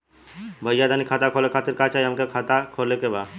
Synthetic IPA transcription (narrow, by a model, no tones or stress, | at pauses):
bʱəjad̪ʱanikʰaːt̪akʰoːlekʰaːt̪iɾkat͡ʃaːiɦəmkekʰaːt̪akʰolekeba